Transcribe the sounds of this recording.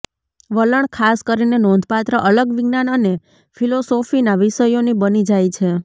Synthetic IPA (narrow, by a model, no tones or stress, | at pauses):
ʋələɳkʰaskəɾinenond̪ʱpat̪ɾəʔələɡʋiɡnanəne | fʰilosofinaʋiʃəjonibənid͡ʒajt͡ʃʰe